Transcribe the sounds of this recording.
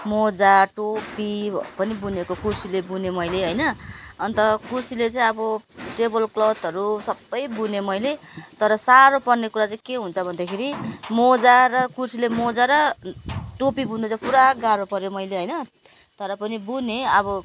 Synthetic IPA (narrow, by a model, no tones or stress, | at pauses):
mod͡zaʈopipʌnibunekokursilebunemʌjleɦʌjnʌʌnt̪ʌkursilet͡saĩʌbʌʈebʌlklʌwt̪ʌɾusʌbːʌjbunemʌjlet̪ʌɾʌsaɾopʌrnekuɾat͡saĩkeɦunt͡sʰʌbʱʌnd̪akʰeɾimod͡zaɾʌkursilemod͡zaɾʌ | ʈopibunot͡sʌpuɾaɡaɾopʌɾjomʌjleɦʌjnʌ | t̪ʌɾʌpʌnibuneʌbʌ